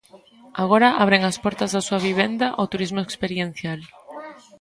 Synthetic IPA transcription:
aɣ̞oɾaʔa̰βɾeŋaspɔɾt̪ɐzðasuaβiβ̞end̪aʔot̪uɾizmoekspeɾjen̟θjal

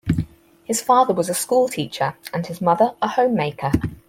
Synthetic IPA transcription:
hɪz̥fɑːðəwɒzəskuːlˠtʰiˑt͡ʃəɹə̃nɪzmʌðəɹəhə̃ʊ̃mːeɪkʰə

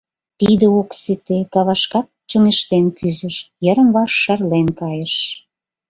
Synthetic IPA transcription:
t̪id̪əokset̪ekɑβɑʃkɑt̚t͡ɕoneʃt̪enkyzəʃjəɾə̆mβɑʃːɑrlenkɑjəʃ

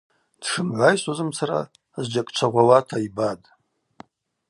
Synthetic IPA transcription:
d̥ʂɨmʕʷajsʼazɨmt͡sʰaɾa̰ | zd͡ʒakʼt͡ʃʷʰaʁʷawatʰaibatʼ

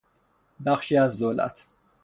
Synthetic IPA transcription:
d̪aχʃiazdɔla̰t̪ʰ

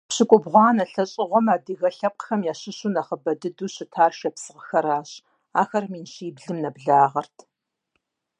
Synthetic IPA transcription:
pɕɨkʷʼʊbʁʷɑːnɐɬɐɕʼɪʁʷɔmaːdɨɣɐɬɐp̚qxɐmjaːɕɪɕʊnɐχəbɐdɨduːɕɪtʰaːrʃɐpsɨʁəxɐɾaːɕ | aːxɐrmiːnɕiːbɮɨmnɐbɮaːʁɐrtʰ

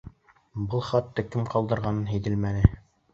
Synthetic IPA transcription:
bɤlˠχɑt̪ːɤkɘmqɑlˠd̪ɤ̆ɾʁɑnɤnɦæjd̪ɘlmænɘ

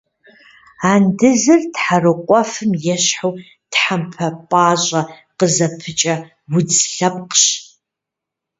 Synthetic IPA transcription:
aːndɨzɨrtħarɨqʷʼɔfɨmjɛɕħow | tħampʰɐpʼaːɕʼɐ | qəzɐpʰɨt͡ʃʼɐ | wʊd͡zɬɐp̚qɕ

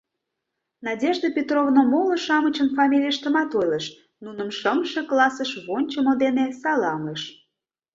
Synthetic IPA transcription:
nɑdʲeʒd̪əpʲet̪rovnomolə̆ʃɑmət͡ɕənfɑmʲilʲijəʃt̪əmɑt̪ojləʃ | nunə̆mʃəmʃeklˠɑsəʃβonʲt͡ɕəməd̪enesɑlɑŋəʃ

